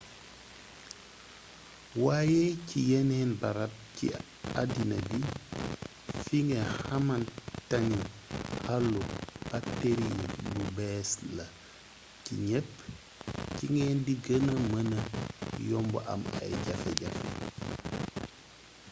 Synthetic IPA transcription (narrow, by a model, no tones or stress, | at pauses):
wajɛcijɛnɛnbaɾat̚cḭ | adinɐbi | fiŋɡehamantani | halːub̥akteɾilubɛːslɐ | cḭɲɛpː | ciŋɡɛːndiɡənɐmənəjɔmbɔ̰ʔɐ̰ma̰jɟafɛ̰ɟafɛ̰